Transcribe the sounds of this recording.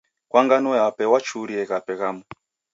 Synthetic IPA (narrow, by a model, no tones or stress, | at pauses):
kwaŋɡanɔjapɛwat͡ʃʰuɾiɛkapɛkamu